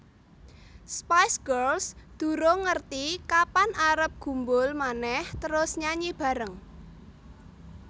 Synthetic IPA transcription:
spajsɡ̥ərlsd̪̥ṳɾoŋərt̪ikapanʔaɾəp̚ɡ̥ṳmbʊlmanɛht̪əɾʊsɲaɲib̥ä̤ɾəŋ

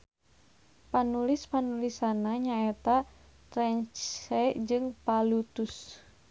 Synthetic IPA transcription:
panulispanulisanaɲaɛt̪a | t̪ɾɛɲt͡ʃɛd͡ʒɨŋpalut̪us

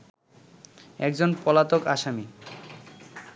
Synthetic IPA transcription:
ɛkd͡ʑonpɔlat̪okaʃami

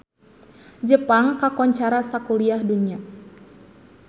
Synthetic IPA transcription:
d͡ʒəpaŋkakɔɲt͡ʃaɾasakuliahdunia

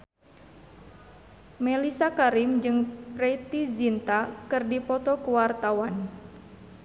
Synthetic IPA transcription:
melisakaɾimd͡ʒɨŋpɾɛt̪izint̪akɨrdipɔt̪ɔkuwart̪awan

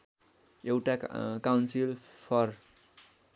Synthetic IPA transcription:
ewʈakawnsilpʰʌr

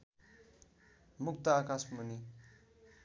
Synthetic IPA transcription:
muk̚t̪aakasmuni

